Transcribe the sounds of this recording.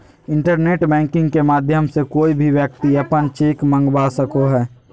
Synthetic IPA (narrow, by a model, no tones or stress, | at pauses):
ɪ̃ɳʈəɾneːʈbɛ̃ːŋkɪ̃ŋɡkemaːd̪ʱjəmsekoːibʱiʋjək̚t̪iəpənt͡ʃeːkmə̃ŋɡbasəkoɦɛː